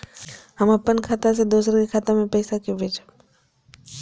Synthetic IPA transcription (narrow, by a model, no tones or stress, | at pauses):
ɦəməpːənkʰaːt̪as̬ed̪oːsəɾkikʰaːt̪amẽpəɪsakubʱeːd͡ʒa